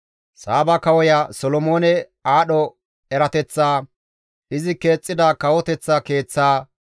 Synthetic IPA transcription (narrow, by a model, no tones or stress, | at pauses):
saːbɐkɐwɔjasɔlɔmo̞ːnɛ | aːɗɔ | ɛɾɐt̪ɛt͡sːaː | ʔɪzɪke̞ːt͡sʼːɪd̪akɐwɔt̪ɛt͡sːɐke̞ːt͡sːaː